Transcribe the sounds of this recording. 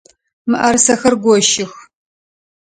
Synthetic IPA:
mɨʔɐrsɐxɐrɡʷɔʃɪx

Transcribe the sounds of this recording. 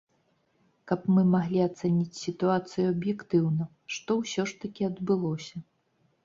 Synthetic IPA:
kɐpmɨmaɣlʲiat̪sɛnʲit͡sʲsʲit̪uat̪sɨjuɐbjɛkt̪ɨwnɐ | ʂt̪ɔwsʲɔʂt̪ɐkʲiɐd̪bɨlˠɔsʲɐ

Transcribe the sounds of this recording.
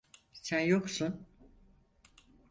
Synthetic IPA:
sænjo̞ksun

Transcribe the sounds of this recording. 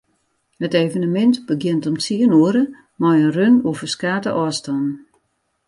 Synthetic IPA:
həteːvənəmɛntbəɡjɪntɔmt͡siənuəɾə | mɔjənrønuəvərskaːtəʔɔːstɔn

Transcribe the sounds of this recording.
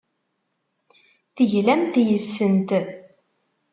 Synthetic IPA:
θəʝlæmt̪jəsːənt̪

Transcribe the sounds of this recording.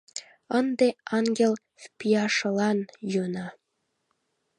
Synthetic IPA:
ənd̪eɑŋɡʲel | fpijɑʃɤ̆lɑnjønɑ

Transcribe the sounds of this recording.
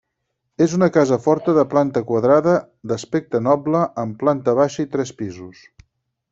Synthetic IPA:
ezunəkazəfɔɾt̪əðəplant̪əkwəðɾaðə | d̪əspek̚t̪ənɔbləʔəmplant̪əβ̞aʃəit̪ɾɛspizus

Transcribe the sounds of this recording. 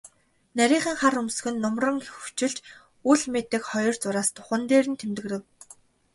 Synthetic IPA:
næɾʲiːɴχə̆ŋχarɵmsɵ̆xɘ̆nːʊmrə̆ŋxuw̥t͡ɕɪ̆ɮt͡ɕ | uɮmet̪ɘ̆kχɔjɞ̆rt͡sʊɾaːst̪ʊ̥χə̆nt̪eːɾɘ̆nt̪ʰemt̪ɘ̆ɣɾɘ̆w

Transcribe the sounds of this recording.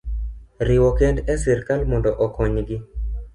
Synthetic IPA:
ɾɪwɔkɛndɛsɛrkalmɔndɔʔɔkɔɲɡɪ

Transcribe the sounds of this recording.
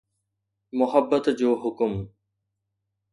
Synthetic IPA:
mʊhəbːət̪d͡ʑoːɦʊkʊm

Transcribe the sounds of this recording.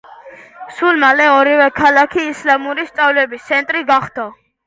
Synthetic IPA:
sulmalɛɔɾivɛkʰalakʰiːslamuɾist̪sʼavlɛbist̪sʰɛnt̪ʼɾiɡaχd̪a

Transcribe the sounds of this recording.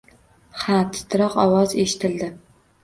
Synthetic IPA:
χat̪ʰɨ̥t̪ʰɨɾɑqɒwɒzeʃɪ̥t̪ʰɪld̪ɪ

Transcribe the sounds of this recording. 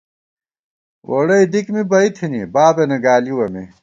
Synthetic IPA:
wʔɐɽɐid̪ikmibɐit̪ʰinibaːbenɐɡaːliwɐmḭ

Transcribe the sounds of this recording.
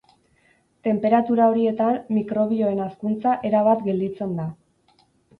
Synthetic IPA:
t̪e̞mpe̞ɾat̪uɾao̞ɾie̞t̪anːikɾo̞βio̞e̞naskunt͡saʔe̞ɾaβat̪ɡe̞ld̪it͡se̞nd̪a

